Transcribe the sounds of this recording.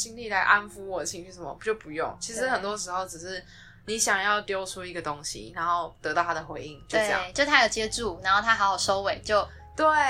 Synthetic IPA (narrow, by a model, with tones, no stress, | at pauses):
t͡ɕi˥ŋli˥˩la˧˥ɪʔa˦˥nfu˥wɔ˨˩dt͡ɕʰi˧˥ŋt͡ɕʰy˥˩ʂə˨˩mə̰˧˦t͡ɕjo˥˩ʊpu˧˦jʊ̰˥˩ŋt͡ɕʰi˧˥ʂɻ̩˧˦xə˨˩nt̪wɔ˦ʂ̬ɻ̩˧˥xo˥˩ʊʈ͡ʂɻ̩˨˩ʂɻ̩˥˩ | ni˨˦ɕjɑ˨˩ŋjɑ˥˩ʊt̪jo˥ʊʈ͡ʂʰu˦i˧˥ɡə˩t̪o˦ŋɕḭ˨na˧˦nxo˥˩ʊt̪əɤ˧˥t̪ɑ˥˩ʊa˥d̪ə˩xwe˧˥ɪi˥˩ŋt͡ɕjo˥˧˥ʈ͡ʂjɑ̰˨˥t͡ɕo˥˧ʂt̪ʰa˥jo˨˩ʊt͡ɕjɛ˥˧ʈ͡ʂu˥˩na˨˧nxo˥ʊt̪ʰa˥˧˥ɪjɑ˨˩ʊʂo˥ʊwe˨˩ɪt͡ɕjo˥˩ʊ | t̪we˥˩